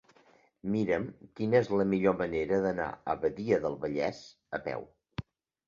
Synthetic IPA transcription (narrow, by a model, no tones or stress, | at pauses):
miɾəmkinəezləmiʎoməneɾəðəna̰ə̰βəðiəðəlˠβəʎɛ̰z | əpɛ̰w